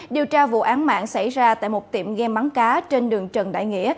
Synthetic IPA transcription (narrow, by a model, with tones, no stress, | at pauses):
ɗi˨˩əwt͡ɕaː˧vṵ˧˨ʔaː˨˦nma̰ː˧˨ŋsa˧˩jzaː˧t̪a̰ː˧˨jmo˨˩t̚t̪ḭ˧˨əmɣɛ˧mɓa˨˦ŋkaː˨˦t͡ɕe˧nɗɨ˨˩əŋt͡ɕə˨˩nɗa̰ː˧˨jŋḭ˧˥˨ə